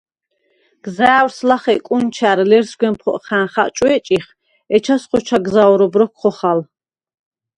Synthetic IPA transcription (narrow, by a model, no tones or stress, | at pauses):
ɡ̥zaːwɾslaχɛkʼunt͡ʃʰæɾlɛɾsɡwɛmpʰχɔ̰ʔχænχaʔt͡ʃʼwɛt͡ʃʼiχ | ɛt͡ʃʰasχɔt͡ʃʰaɡzaɔɾɔbɾɔkʰχɔχal